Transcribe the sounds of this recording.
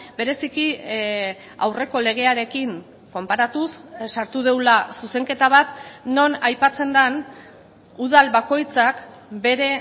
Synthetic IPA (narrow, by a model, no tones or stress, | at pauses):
be̞ɾe̞siki | a̰wre̞ko̞le̞ɣ̞e̞aɾe̞kiŋ | ko̞mpaɾat̪ussaɾt̪uðe̞wlasuse̞ŋke̞t̪aβ̞at̪no̞najpat͡se̞nd̪an | uðalβako̞jt͡sak | be̞ɾe̞